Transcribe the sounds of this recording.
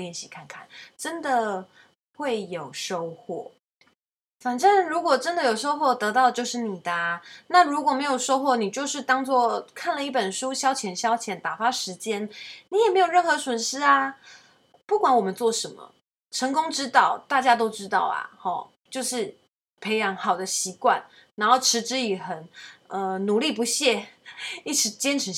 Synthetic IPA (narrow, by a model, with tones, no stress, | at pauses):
jɛ˥˨nɕi˥˧kʰa˥˧nkʰa̰˥˩nʈ͡ʂə˦˥nd̪ə˨ | xwe˥˩ɪjo˨˩ʊʂo˥ʊxwɔ̰˥˩ | fa˨˩nʈ͡ʂə˥˩nɻu˧˥kwɔ˨˩ʈ͡ʂə˦˥nd̪ə˨jo˨˩ʊʂo˥ʊxwɔ˥˩t̪ɤ˧˦˥t̪ɑ˥˩ʊt͡ɕjo˥˧ʊʂɻ̩˥˩ni˨˩d̪ə˩na˥˩ɻu˧˥kwɔ˨˩me˧˥ɪjo˨˩ʊʂo˥ʊxwɔ˥˩ni˨˩t͡ɕjo˥˧ʊʂɻ̩˥˩t̪ɑ˥ŋt͡swɔ˥˩kʰa˥˩nlə˨˩i˥˩pə˨˩nʂu˦˥ɕjɑ˥ʊt͡ɕʰjɛ˧˥nɕjɑ˥ʊt͡ɕʰjɛ˧˥nt̪a˨˩fa˥ʂɻ̩˧˥t͡ɕjɛ˥nni˧˥jɛ˨˩me˧˥ɪjo˨˩ʊɻə˥˩nxɤ˧˥swə˨˩nʂɻ̩˥ɐ˧ | pu˥˩kwa˧˥nwɔ˨˩mə˨˦nt͡swɔ˥˩ʂə˧˥nmə̰˨ | ʈ͡ʂʰə˧˥ŋkʊ˥ŋʈ͡ʂɻ̩˥t̪ɑ˥˩ʊt̪a˥˩t͡ɕja˥t̪o˥ʊʈ͡ʂɻ̩˥t̪ɑ˥˩ʊɐ̰˩hɔ˨˩ | t͡ɕjo˥˧ʊʂɻ̩˥˩ | pʰe˧˥ɪjɑ˧˥ŋxɑ˨˩ʊd̪ə˦ɕi˧˥kwa̰˥˩n | na˧˥nxo˥˩ʈ͡ʂʰɻ̩˧˥ʈ͡ʂɻ̩˥i˨˩xə˨˩nə˧nu˨˧˦li˥˨˩pu˧˦ɕjɛ˥˧i˥˩ʈ͡ʂʰɻ̩˧˥t͡ɕjɛ˥nʈ͡ʂʰɻ̩˧˥